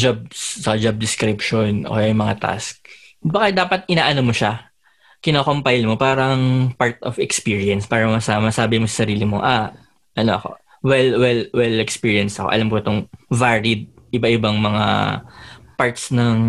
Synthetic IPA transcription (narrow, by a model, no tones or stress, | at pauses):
d͡ʒab̚ssɐkɐd͡ʒɐb̚d̪ɪskɾɪp̚ʃonʔo̰kɐjajʊmɐŋat̪a̰sk̚ | bɐkad̪aːpɐt̪̚ʔɪnaːʔɐnomoʃa | kɪnoːkompajlmopaːɾɐŋpaɹt̪ofɛkspiːɹiɐnspaːɾɐmɐmɐsamɐsaːbɪmosɐ̥sɐɾiːlɪmoʔa | ʔɐnoʔɐko̞̰ | wɛlwɛlwɛlɛkspiːɹiɐnst̪ɐkoʔɐ̰lamkoɪt̪oŋvaɾid̪̚ʔɪbaʔɪbaŋmɐŋa̰ | paɹt̪snɐŋ